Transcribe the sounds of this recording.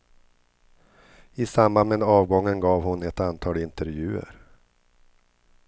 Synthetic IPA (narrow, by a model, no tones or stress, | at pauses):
ɪsambanmeːd̪ɑːvɡɔŋːənɡɑːvhʊnɛt̪ant̪ʰɑːlɪnt̪əɾvjʉ̟ːə̰ɾ